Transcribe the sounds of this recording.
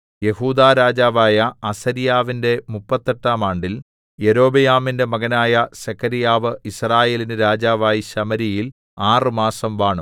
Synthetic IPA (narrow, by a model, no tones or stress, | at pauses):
je̞huːd̪aːɾaːd͡ʑaːʋaːjɐːsɐɾijaːʋinde̞mupːɐt̪ːeʈːaːmaːɳɖil | je̞ɾo̞ːbɐjaːminde̞mɐɣɐnaːjɐɕɐkʰɐɾijaːʋɨisraːje̞ːlinɨɾaːd͡ʑaːʋaːjiɕɐmɐɾijil | aːrɨmaːsɐmʋaːɳum